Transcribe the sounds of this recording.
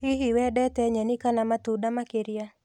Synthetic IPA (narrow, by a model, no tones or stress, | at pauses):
iɦiwɛdɛtɛɲɛnikanamat̪udamakeɾɪja